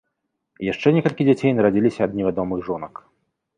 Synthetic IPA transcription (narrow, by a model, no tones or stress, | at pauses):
jaʂt͡ʂɛnʲɛkɐlʲkʲid͡zʲat͡sʲejnɐɾad͡zʲilʲisʲɐːd̪nʲɛvʲad̪ɔmɨɣʐɔnɐk